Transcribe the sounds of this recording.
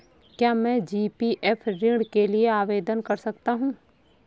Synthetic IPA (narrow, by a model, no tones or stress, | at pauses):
kjaːmɛ̃ːd͡ʒiːpiʔɛpʰɾɪ̃ɽkelieaːʋeːd̪ənkɐɾsɐkt̪aɦũː